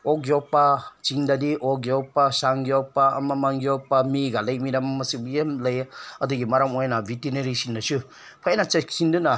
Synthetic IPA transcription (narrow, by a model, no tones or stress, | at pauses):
okjɔpːat͡ʃiŋdadiʔokjopːasaŋɡijopaɐ̰mɐmaŋɡijopːamiɡalɐjmiɾammɐsibemlɐjɐduɡimɐɾamojnabʱitineɾisindasɯ | pʰanat͡ʃeksindɯna